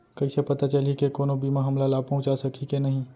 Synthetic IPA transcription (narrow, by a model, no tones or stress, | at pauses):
kɐisepɐt̪at͡ʃɐlikekoːnõbiːmaɦɐmlalaːb̚pɐ̃ɦʊ̃t͡ʃasɐkʰikenɐɦĩ